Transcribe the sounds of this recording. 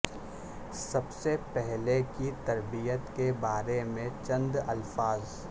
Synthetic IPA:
sɐbsepɛɦlekit̪ɐɾbijət̪kebaːɾemẽt͡ʃɐ̃nd̪ɐlfaːz

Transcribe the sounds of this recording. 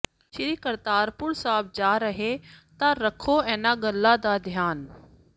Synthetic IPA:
ʃɪɾikəɾt̪aːɾpʊɾsaːb̚d͡ʒaːɾɐɦet̪aɾɐkʰoɛ̃ːnaɡɐlːad̪ad̪ʱijaːn

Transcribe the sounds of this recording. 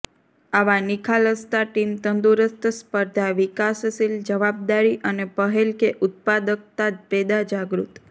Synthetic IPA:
aʋanikʰaləst̪aʈimt̪ənd̪uɾəst̪əspəɾd̪ʱaʋikassild͡ʒəʋab̚d̪aɾiʔənepəɦelkeʔʊt̪̚pad̪ək̚t̪ad̪̚pɛd̪ad͡ʒaɡɾṵt̪

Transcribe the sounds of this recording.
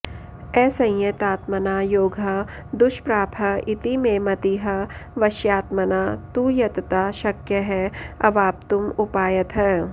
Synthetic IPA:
ɛːsɐ̃jjɐt̪aːt̪mɐnaːjoːɡʱɐ | d̪ʊʃpɾaːpʰɐit̪imẽmɐt̪iɦɐʋɐʃjaːt̪mɐnaːt̪uːjɐt̪t̪aːʃɐkjɐɦɛɐ̰ʋaːp̚t̪ʊmʊpaːjɐt̪ɦɛː

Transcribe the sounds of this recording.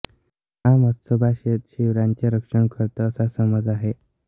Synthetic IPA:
amət̪səbʱaɕet̪ɕiʋɾaɲt͡ɕeɾəkʂəɳkʰəɾt̪əəsasəməd͡zaɦe

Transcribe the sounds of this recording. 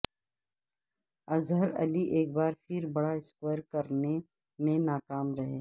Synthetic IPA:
ɐzɦəɾɐ̰liʔeːk̚baːɾpʰɪɾbɐɽaɪskoɾkɐɾne | mẽnaːkaːmɾɐɦeː

